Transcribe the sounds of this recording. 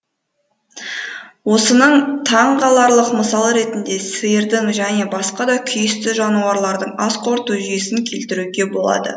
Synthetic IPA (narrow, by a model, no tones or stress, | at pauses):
wo̞sənəɴt̪ʰɑɴqɑlˠɑɾlˠəqməsɑlˠəɾe̞t̪ɪnd̪e̞səjəɾd̪ɪŋʒæne̞bɑsqɑd̪ɑkʲʰʏjɪst̪ɪʒɑnuɑɾlˠɑɾd̪əɴɑsqʰo̞ɾt̪uʒʏje̞sɪŋkʲʰe̞lt̪ɪɾuɡʲe̞bo̞lˠɑ̰d̪ə̰